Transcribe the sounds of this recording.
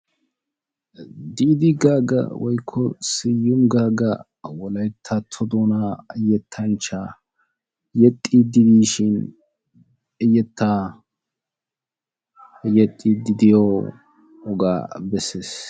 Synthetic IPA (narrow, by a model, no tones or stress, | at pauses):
d̪iːd̪ɪɡaːɡɐ̰wɔjkʰːɔsɪjːʊmɡaːɡɐ̰ | wɔlɐjt̪ʰːɐt̪ʰɔd̪onajɛt̪ʰːɐnt͡ʃːaː | jɛt̪ʼːid̪ɪd̪iːʃɪn | ɪjɛt̪ʰːaː | jɛt̪ʼːid̪ɪd̪ɪjɔ | ɔɡa̰ːbɛsːes